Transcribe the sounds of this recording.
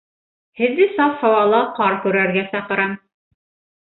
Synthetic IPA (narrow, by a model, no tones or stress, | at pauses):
hɘ̆ðːɘsɑshɑwɑlˠɑqɑɾkʉ̆ɾæɾɡæsɑqɤ̆ɾɑm